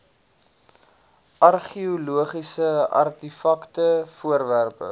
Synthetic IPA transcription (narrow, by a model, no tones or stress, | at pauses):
ʔɐrχiuluəχisəɐ̰rtifɐktəfuəɾværpə̰